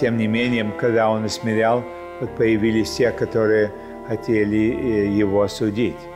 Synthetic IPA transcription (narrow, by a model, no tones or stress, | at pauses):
tʲemnʲɪmʲenʲɪjɪmkɐɡd̪ao̞nɐsmʲɪɾʲalˠ | ot̪̚pəjɪvʲilʲɪsʲtʲekɐt̪oɾɨjə | xɐtʲelʲɪjɪvoɐsʊdʲitʲ